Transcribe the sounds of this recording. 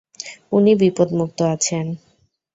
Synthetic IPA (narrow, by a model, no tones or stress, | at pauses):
unibipod̪muk̚t̪oat͡ɕʰen